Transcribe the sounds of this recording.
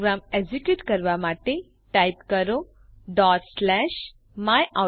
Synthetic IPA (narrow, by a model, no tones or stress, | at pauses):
ɡɾamed͡ʑikjuːʈkəɾʋamaʈe | ʈajpkəɾo | ɖɔːʈslɛʃ | majʔa